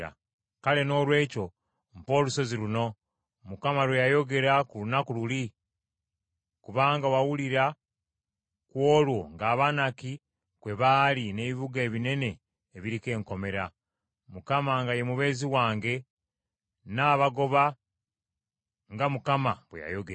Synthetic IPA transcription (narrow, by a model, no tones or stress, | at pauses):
a̰ | kale̞no̞ːlwe̞ːco̞ | mpo̞ːluso̞ziɾuno̞ | mukamalwejajo̞ɡe̞ɾakulunakululi | kuβaːŋɡawawuliɾa | kwo̞ːlwo̞ŋɡaːβanaki | kwe̞βaːline̞ːβiβuɡaeβine̞ne̞ː | βiɾike̞ːŋko̞me̞ɾa | mukamaŋɡaje̞muβe̞ːziwaːŋɡe̞ | naːβaɡo̞βa | ŋɡamukamaβwḛja̰jo̞ɡea